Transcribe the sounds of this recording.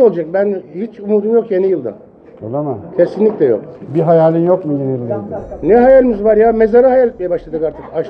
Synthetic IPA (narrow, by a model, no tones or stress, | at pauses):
olˠd͡ʒak̚bænhit͡ʃumuːd̪umjo̞kje̞nijɯlˠd̪ɯ̰ | olˠamacʰe̞sinlʲicʲlʲɛjo̰k̚biɦajaːlʲinjokmujenijɯlˠd̪ad̪ɯnɛɦajaːlʲimizvaɾjaːmezaɾahajaːlʲɛt̪̚ʲmejɛbaʃlˠad̪ɯkaɾt̪ʰɯkaʃ